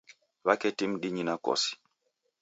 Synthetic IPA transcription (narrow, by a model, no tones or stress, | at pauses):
βakɛtim̩ɗiɲinakɔ̰si̥